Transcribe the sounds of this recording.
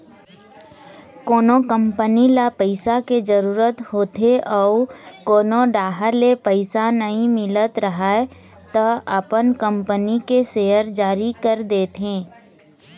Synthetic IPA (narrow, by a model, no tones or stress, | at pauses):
koːnokə̃mpənilapəɪsaked͡ʒəɾuːɾət̪hoːt̪eʔɔːkoːnoɖaːɦəɾlepəɪsanɐɦĩmɪlət̪ɾɐɦae | t̪ɐɐpənkə̃mpənikeseːəɾd͡ʒaːɾikəɾd̪eːt̪ɦẽː